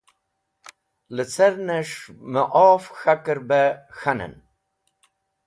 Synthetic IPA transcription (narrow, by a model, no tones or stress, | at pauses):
lət͡seɾneʂməʔɔːfxakəɾbexanə̰n